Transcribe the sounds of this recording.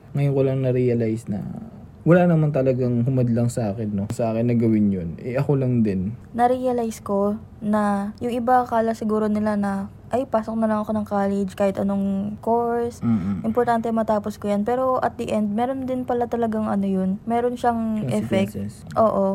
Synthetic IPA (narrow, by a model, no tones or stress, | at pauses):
ŋɐjonkolɐŋnɐɾiɐlajsnɐ̰ | wɐlaːnɐmant̪ɐlɐɡaŋɦʊmɐd̪lɐŋsɐʔaːkɪnːo̞ŋsɐʔaːkɪnːɐɡɐwɪnjonʔɛʔɐkolɐŋd̪ɪnnɐɾijɐlajsko̞ | nɐjʊŋʔɪbakaːlɐsɪɡuːɾo̞nɪlanɐ | ʔɐjpaːso̞k̚nɐlɐŋɐko̞nɐŋkaːlɛd͡ʒkaːhɪt̪ʔɐno̞ŋko̞ɹsʔɪmpoɾt̪ant̪ɛmɐt̪aːpo̞skojanpɛːɾo̞ʔɐt̪̚d̪ɐʔɛnd̪̚mɛːɾo̞nd̪ɪnpɐlat̪ɐlɐɡaŋʔɐ̰nojonmɛːɾo̞nʃaŋʔɛfɛk̚ | ʔo̞ːʔo̞